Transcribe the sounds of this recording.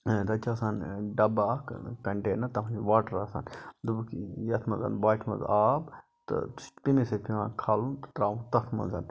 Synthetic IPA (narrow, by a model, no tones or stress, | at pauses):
t̪ɐt͡ʃaːsaːnɖɐbaːkkɐɳʈeːnɐt̪ɐmɐd͡ʒʋaːʈɐɾasa̰ːnd̪ubkjɐt̪ʰmɐnza̰ːnbaːʈʰmɐ̰zaːb | t̪ɐ̰t̪upimesepimãːkʰaːlunt̪ɐ̥t̪ɾaːʋũt̪ɐkʰmɐ̰nzan